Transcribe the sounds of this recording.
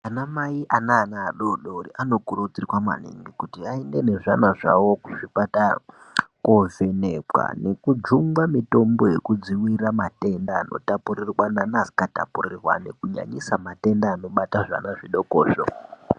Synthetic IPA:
anamaiʔanaːnaːɗoɗoriʔano̞kurud͡zirwama̰nḛŋɡikutiaende̞ne̞ʐanaʐa̰wokuʐiɓata | kovenepwa̰ne̞kud͡ʒumɡamito̞mbo̞je̞kud͡ziwiramate̞ndaːno̞̰tapurirwananazi̥kata̰purirwa̰ne̞̰kuɲa̰ɲisamate̞ndaːnoɓataʐa̰naʐiɗo̞koːʃo̰

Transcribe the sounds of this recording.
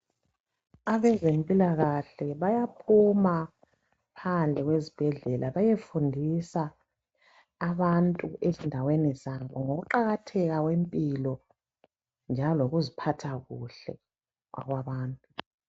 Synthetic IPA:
aβɛzempʼilaɣaɬɛβajapʰuma | pʰand͡ɮʱɛɣwezib̥ʱɛɮɛlʔaβajefundʱisa | βantʼuʔezindʱawɛnɛzamkʼɔŋoɣuǃaɣatʰɛɣaɣwempʼilɔ | nd͡ʒʱaloɣuzipʰatʰaɣuɬɛ̰ | ɣwa̰ɣwaβaːntʼu

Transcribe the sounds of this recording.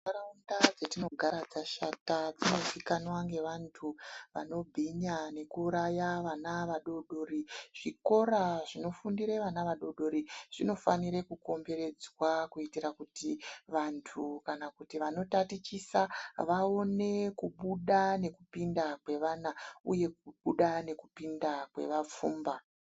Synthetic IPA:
ɾaundad͡zetino̞ɡʱaɾad͡zaʃatad͡zino̞sikanwaŋɡe̞ʋantʰuʋa̰no̞bʱiɲane̞kuːɾajaʋanaʋaɗo̞ɗo̞ːɾiʐ̥iko̞ɾaʐino̞fundiɾe̞ʋanaʋaɗo̞ɗo̞ɾiʐ̥ino̞faniɾe̞kuko̞mbe̞ɾe̞d͡zwakuitiɾakutiʋantʰukanakutiʋano̞tatit͡ʃisaʋao̞ne̞kuɓuɗane̞kupindakwe̞ʋaːnauje̞kuɓuɗane̞kupindakwe̞̰ʋap͡fuːmba

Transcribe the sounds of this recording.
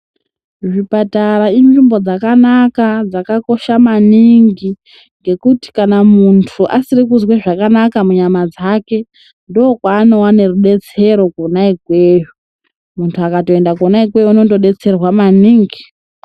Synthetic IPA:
ʐipatarainʐimbo̞d͡zakanakad͡zakako̞ʃamaniŋɡi | ŋɡe̞kuti̥kanamuntʰuʔasirikuzweʐakanakamuɲamad͡zake̞ | ndoːkwaːno̞wane̞ruɗe̞t͡se̞ɾo̞kunaikweːju | muntʰuakato̞endakuonaikwe̞junoto̞ɗe̞t͡se̞rwamaniːŋɡi

